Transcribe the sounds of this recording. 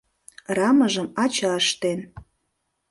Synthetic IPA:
rɑməʒəmɑt͡ɕɑəʃt̪en

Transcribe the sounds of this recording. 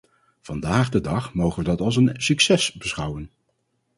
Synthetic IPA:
v̥ɑndaːχdədɑχmowχənʋədɑtɑlˠs̬ənsyksɛsbəsχʌwən

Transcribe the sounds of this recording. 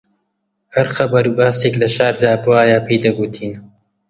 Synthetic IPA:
hɐɾxɐbɐɾuːbaːseklɐʃaːɾd̪aːbɨwaːjaːpʰeːd̪ɐbuːt̪ʰiːn

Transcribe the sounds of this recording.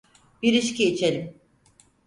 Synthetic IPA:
biɾiʃciit͡ʃʰelʲim

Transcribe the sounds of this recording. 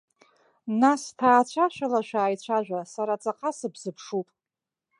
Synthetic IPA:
nastʰaːt͡ɕʷʰaʃʷᶣalaʃʷᶣaːjt͡ɕʷʰaʒʷᶣasaɾat͡sʼaqʰʼasɨbzɨpʰʂupʼ

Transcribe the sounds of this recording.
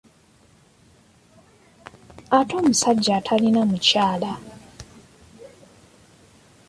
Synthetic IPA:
ato̞ːmusaɟːatʰalinamucaːla

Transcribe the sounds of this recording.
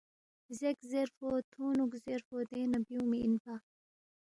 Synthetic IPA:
zekzeɾfot̪ʰuːnukzeɾfod̪eːnɐbiũmiinpa

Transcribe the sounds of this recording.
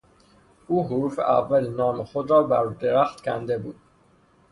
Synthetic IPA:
ʔuːɦoɾuːfḛʔæ̰vːælenɒːmexod̪ɾɒːbæɾd̪eɾæxt̪cʲʰænd̪e̞buːd̪̥

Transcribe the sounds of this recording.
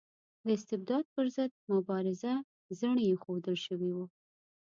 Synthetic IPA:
d̪əɪst̪ɪb̚d̪ɑd̪̚pəɾzəd̪̚mʊbɑɾɪza | zəɳəjexod̪əlʃəwiwu

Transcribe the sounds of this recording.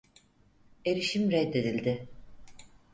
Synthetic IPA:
e̞ɾiʃimɾɛd̪ːe̞d̪ilʲd̪ɪ

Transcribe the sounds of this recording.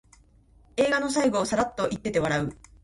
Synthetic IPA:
e̞ːɡano̞s̬aiɡo̞ːsaɾat̪ːo̞ʔit̪ːe̞t̪e̞βaɾaɯ̟

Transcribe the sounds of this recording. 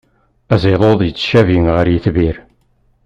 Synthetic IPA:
æzeðˤoðˤjət͡sːʃæviŋʁəɾjiθviɾ

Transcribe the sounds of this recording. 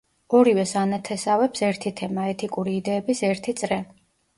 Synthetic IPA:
ɔɾivɛsanɛt̪ʰɛsavɛpsɛɾt̪ʰit̪ʰɛmaɛt̪ʰikʼuɾiːd̪ɛːbisɛɾt̪ʰit̪sʼɾɛ

